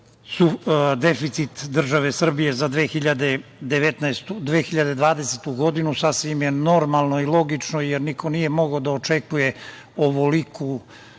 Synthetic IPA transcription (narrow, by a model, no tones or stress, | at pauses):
sud̪efit̪sit̪d̪r̩ʒaʋe̞sr̩bije̞zad̪ʋeːxiʎad̪ed̪eʋet̪naest̪ud̪ʋeːxiʎad̪e̞d̪ʋaːd̪e̞set̪uɡo̞d̪inusasʋimjeno̞ɾmalˠnoilˠo̞ɡit͡ʃnojeɾnikʰo̞nije̞mo̞ɡaod̪aot͡ʂe̞kuje̞ | oʋolikʰu